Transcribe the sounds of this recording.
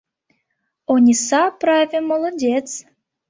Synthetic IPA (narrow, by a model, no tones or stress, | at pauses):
onʲisɑpɾavʲemolˠodʲet͡s